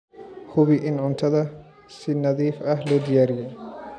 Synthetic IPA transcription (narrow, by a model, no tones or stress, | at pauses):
hʊβɪʔɪnʕʊnt̪ʰɐðɐ | sɪnɐðiːfɐɦlɔːd̪ɪjaːɾɪjɛj